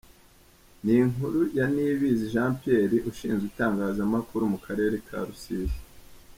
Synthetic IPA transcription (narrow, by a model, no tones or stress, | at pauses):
niŋuɾujaniβiziʒãːmpieɾiʔuʃiːnzɡitaːŋɡaːzamakuɾumukʰaɾe̞ːɾe̞kʰa̰ɾusizi